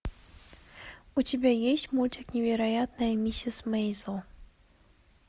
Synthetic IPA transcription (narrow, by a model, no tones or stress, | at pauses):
utʲebʲajesʲtʲmulʲt͡ɕʲɪknʲevʲeɾajat̪nɐjɐmʲisʲɪsmɛjzəlˠ